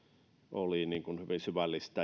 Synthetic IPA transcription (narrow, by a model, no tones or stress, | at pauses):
ʔoliniːŋkunhyʋinsyʋælːist̪ɑ